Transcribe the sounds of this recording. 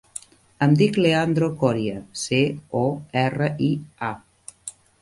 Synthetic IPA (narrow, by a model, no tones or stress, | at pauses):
əmd̪ikleand̪ɾokɔɾjəseɔɛrəia